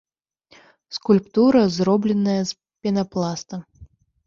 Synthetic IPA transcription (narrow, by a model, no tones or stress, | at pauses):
skulʲpt̪uɾɐzrɔblʲɛnɐjɐs | pʲɛnɐplˠast̪ɐ